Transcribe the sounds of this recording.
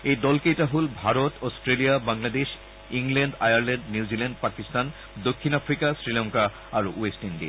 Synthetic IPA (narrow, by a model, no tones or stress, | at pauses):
ed̪ɔlkejʈaɦolbʱaɾot̪ɔsʈɾelijabaŋlad̪eʃ | iŋleɳɖajaɾleɳɖniwd͡ʑileɳɖpakist̪an | d̪okʰːinafʰɾikasɾilaŋka | aɾuesʈinɖḭ